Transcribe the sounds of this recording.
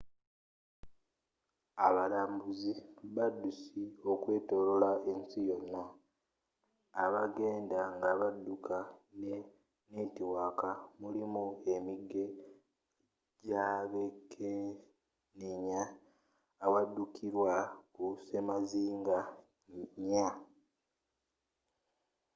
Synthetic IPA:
aβalaːmbuziβadːusio̞kwe̞ːto̞lolae̞nsijo̞nːa | aβaɡe̞ːndaŋɡaβadːukʰane | netiwakamulimue̞miɡːe̞ | ɟaβekʰe | niɲaː | wadːukʰiɾwakusemaziːŋɡa | ɲa

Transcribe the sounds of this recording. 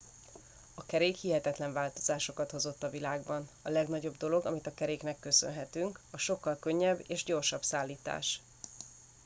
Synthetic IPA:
ɒkɛɾeːkhiɦɛt̪ɛt̪lɛɱvaːlt̪o̞̥zaːʃo̞kɒt̪ho̞zo̞t̪ːɒvilaːɡbɒnɒlɛɡnɒɟo̞bd̪o̞lo̞ɡɒmit̪ɒkɛɾeːknɛkːø̞sø̰nɦɛt̪yŋkɒʃo̞kːɒlkø̞ɲːɛbːḛːʒɟo̞rʃɒbsaːlːiːt̪a̰ːʃ

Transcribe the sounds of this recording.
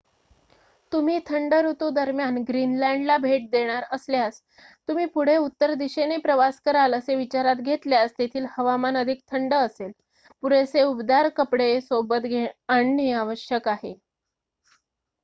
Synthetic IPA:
t̪um̤iːt̪ʰəɳɖəɾut̪ud̪əɾmjanɡɾinlãɳɖlabʱeʈ̚d̪eɽ̃aɾəsljas | t̪um̤iːpuɽ̤eut̪ːəɾd̪iɕenepɾəʋaskəɾaləseʋit͡ɕaɾat̪ɡʱet̪ljast̪et̪ʰiːlhəʋamanəd̪ʱik̚t̪ʰəɳɖəːsel | puɽeseubd̪aɾkəpɽesobət̪ɡʱeəɳːiaʋəɕjəkaɦe

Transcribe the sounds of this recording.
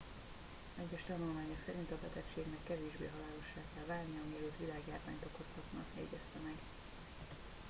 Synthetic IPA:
ɛɟːɛʃt̪ɒnulmaːɲo̞ksɛɾint̪ɒbɛt̪ɛkʃeːɡnɛkːɛveːʒbḛːɦɒlaːlo̞ʃːaːkɛlvaːlnijɒɒmiɛløːt̪ʋilaːɡjaːrva̰ːɲt̪o̞koshɒt̪nɒ̰jɛ̰ɟɛst̪ɛmɛɡ

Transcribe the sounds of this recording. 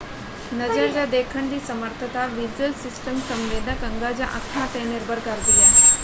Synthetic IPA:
nəd͡ʑəɾd͡ʑjad̪ekʰəɳd̪iːsəməɾt̪ʰət̪aʋid͡ʑəlsisʈəmsəmʋed̪ʱəkəŋɡad͡ʑaʔək̪ʰmaʈeneɾbəɾɡaɾd̪ilja

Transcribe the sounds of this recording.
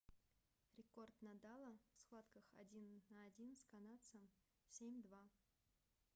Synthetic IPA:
ɾʲɪko̞rt̪nɐd̪alˠəfsxvˠat̪kəxɐdʲinːəːdʲinskɐnat̪səm | sʲemʲd̪va

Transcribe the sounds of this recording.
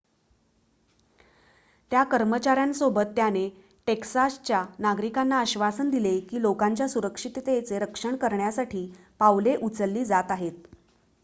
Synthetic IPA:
t̪jakəɾmət͡ɕaɾjansobət̪ːjane | ʈeksast͡ɕjanaɡɾikanːaəɕʋasənd̪ilekiːlokaɲt͡ɕjasuɾəkʂit̪t̪et͡seɾəkʂəɳkəɾɳjasaʈʰiː | paʋleʔut͡səlːiːd͡zat̪aɦet̪̚

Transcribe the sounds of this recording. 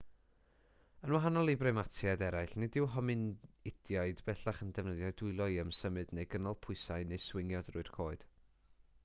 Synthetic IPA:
ənwaɦanɔlˠibrɛmatʰjadɛɾajɬnɪdɪwɦɔmɨnɪd̥jaɨdbɛɬaχəndɛvnəðjadʊɨlˠɔjəmsəmɨdnejɡənɔlˠpʰʊɨsaɨnejswɪŋjɔd̥rʊɨrkʰoːɨd̥

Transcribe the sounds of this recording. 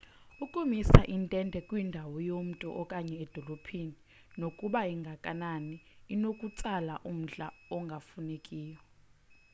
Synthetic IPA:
ukʼumisaʔintʼɛndʱɛkʼwindʱawɔjom̩tʼɔ̰ʔɔkʼaɲɛɛd̥ʱɔlopʰini | nokʼuɓaiŋɡʱakʼananiːnokʼut͡sʼala̰ʔum̩ɬʼaɔŋɡʱafunekʼiːjɔ

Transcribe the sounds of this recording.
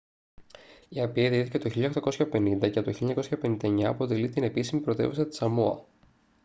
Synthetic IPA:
iɐpieðiiθicet̪oçiʎɐxt̪ɐko̞sçɐpe̞nind̪ɐceɐt̪oçiʎːɐɲɐko̞sçɐpe̞nind̪ɐeɲɐːpo̞t̪elit̪ine̞pisimipɾo̞t̪e̞̰vesɐt̪i̥sɐmuɐ̰

